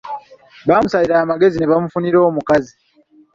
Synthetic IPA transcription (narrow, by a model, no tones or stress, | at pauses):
βaːmusaliɾaːmaɡe̞zineβamufuniɾo̞ːmukazi